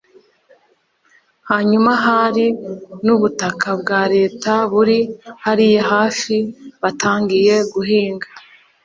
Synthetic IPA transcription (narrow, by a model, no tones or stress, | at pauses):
haːɲumaɦaɾinuβutakʰabɡaːɾe̞ːtaβuɾihaɾijeɦaːfiβatʰaːŋɡije̞ɡuɦiːŋɡa